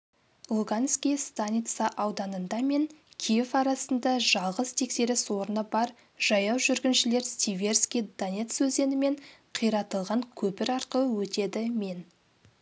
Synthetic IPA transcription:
lˠuɡanskʲijst̪anʲit̪sɑʔɑwd̪ɑnənd̪ɑme̞ŋkʲʰijevɑɾɑsənd̪ɑʒɑlˠʁəzt̪ʰe̞kse̞ɾɪswo̞ɾənəbɑɾ | ʒ̥ɑjɑwʒʏɾɡʲɪnʃɪle̞ɾst̪ivʲe̞rskʲijd̪onʲe̞t̪sɵze̞nɪme̞ɴqʰijɾɑt̪əlˠʁɑŋkʲʰɵpɪɾɑɾqəəwɵt̪e̞d̪ɪme̞n

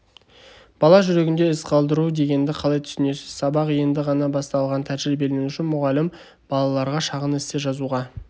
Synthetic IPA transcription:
b̥ɑlˠɑʒʏɾe̞ɡʲɪnd̪e̞ɪsqʰɑlˠd̪əɾud̪e̞ɡʲe̞nd̪ɪqʰɑlˠɑjt̪ʰʏ̥sɪne̞sɪz̥sɑbɑqje̞nd̪ɪʁɑnɑbɑst̪ɑlˠʁɑnt̪ʰæʒɾɪbelɪnenʏʃɪnmʊʁɑlːɪm | b̥ɑlˠɑlˠɑɾʁɑʃɑʁənɪst̪eʒɑzuʁɑ

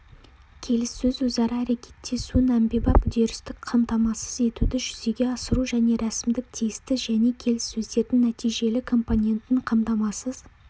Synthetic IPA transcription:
kʲʰe̞lɪsːɵzwɵzɑɾəæɾe̞kʲʰe̞t̪ʰːe̞suɪnæmbebɑpʏd̪e̞ɾɪst̪ɪkqʰɑmt̪ɑmɑsəze̞t̪ud̪ɪʒʏze̞ɡʲe̞ɑsəɾuʒæne̞ɾæsɪmd̪ɪk̚t̪ʰijɪst̪ɪʒæne̞kʲʰe̞lɪsːɵzd̪e̞ɾd̪ɪŋnæt̪ijʒe̞lɪkʰo̞mpo̞nʲe̞nt̪ɪŋqʰɑmt̪ɑmɑsəz̥

